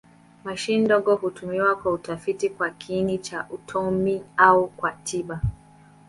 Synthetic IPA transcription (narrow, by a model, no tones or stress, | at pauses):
maʃindɔɠɔhutumiwakwautafitikwakinit͡ʃaʔutʰɔmiaukwatʰiɓa